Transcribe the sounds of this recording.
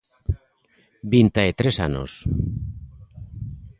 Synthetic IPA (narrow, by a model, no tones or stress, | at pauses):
bint̪aet̪ɾesa̰no̰s